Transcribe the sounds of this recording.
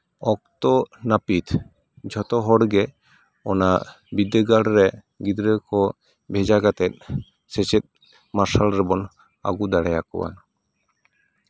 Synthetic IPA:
ɔk̚t̪ɔnapit̪ʰ | d͡ʒʱɔt̪ɔɦɔɽɡɛ | ɔna | bid̪əɡaɽɾɛ | ɡid̪ɾekʰɔ | bʱed͡ʒaɡat̪ɛt̪̚ | set͡ʃet̪̚ | maʃalɾɛbɔn | a̰ɡud̪aɽɛjakɔ̰wa̰n

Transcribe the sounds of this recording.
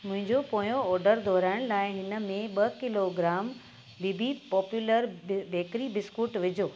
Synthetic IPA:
mʊ̃ɦɪ̃ɲd͡ʑopoːjoɔːɾɖəɾd̪ʱɔːɾaːɪɽ̃laːɪɦɪnə̆mẽɓɐkɪloɡɾaːm | bibʱipɔːpjuːləɾbʱeːkɾibɪskuːʈʋɪd͡ʑʱoː

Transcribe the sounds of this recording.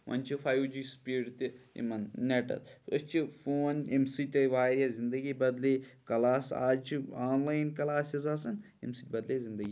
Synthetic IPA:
ʋɐ̰nt͡ʃʰifʰajwd͡ʒiːspiɖt̪iḭmɐnneʈɐ̰lɐst͡ʃʰifoːnemsit̪ʲɐʋaːɾjazind̪ɐɡibɐd̪leːkɐlaːsa̰ːd͡ʒt͡ʃʰiaːnlaːjnkɐlaːsizaːsɐn | ḛmsit̪̚ʲbɐd̪leːzind̪ɐɡiː

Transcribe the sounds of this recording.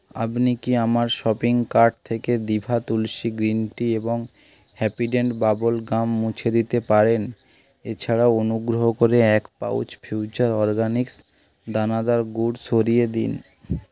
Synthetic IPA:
a̰pnikiamaɾʃɔpiŋkaɾɖ̚t̪ʰeked̪ibʱat̪ulʃiɡɾinʈieboŋ | hɛpiʈeɳɖbabolɡamːũt͡ɕʰed̪it̪epaɾen | et͡ɕʰaɽaonuɡɾoɦokoɾeɛkpa̰ṵt͡ɕfʰjut͡ɕaɾɔɾɡaniks | d̪anad̪aɾɡuɖsʰoɾijed̪ḭn

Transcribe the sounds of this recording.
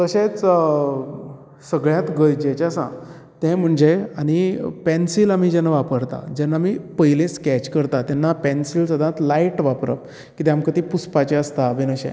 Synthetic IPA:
t̪əɕẽt͡s | səɡɭjãt̪ɡəjd͡ʑet͡ɕasã̰ | t̪ɛ̃m̤əɳd͡ʑeaɽ̃ipɛnsilam̤id͡ʑɛnːaʋapəɾt̪a̰d͡ʑɛnːaːmipəjlẽskɛt͡ɕkəɾt̪at̪janːapɛnsilsəd̪ʱãt̪laiʈʋapɾə̰p̚ | kit̪eamkət̪ipuspat͡ɕeəst̪abʱenəɕɛ̰̃

